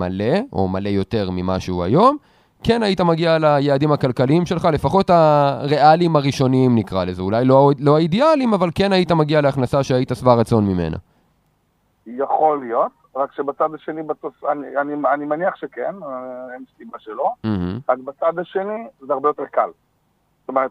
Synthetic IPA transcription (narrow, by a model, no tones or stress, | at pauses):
ma̰le̞o̞̰male̞jo̞te̞ʁmimaʃuua̰jo̞m | ke̞naitamaɡialajead̪imhakalkaliimʃe̞lχale̞faχo̞t̪aʁeʔalimaʁiʃo̞niimnikʁalezeulajlo̞alo̞aid̪ialimavalke̞naitamaɡialeaχnasaʃeaitasvaʁat͡so̞nmime̞̰na̰ | jaχo̞lijo̞t̪ | ʁakʃebat͡sad̪aʃe̞nibat̪osanianianimaniaχʃekenenssimaʃelo̞m̩hm̩ʁakbat͡sad̪aʃe̞nizeaʁbejo̞t̪e̞ʁkal | st̪o̞meʁet̪̚